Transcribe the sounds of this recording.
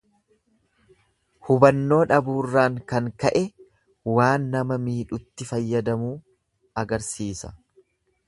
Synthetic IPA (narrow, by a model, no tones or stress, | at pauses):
hʊbɐnːo̞ːᶑɐbuːrːaːŋkɐŋkɐʔɛ | waːnːɐmɐmiːᶑʊt̪ːɪfɐjːɐd̪ɐmuː | ɐɡɐɾsiːsɐ̥̰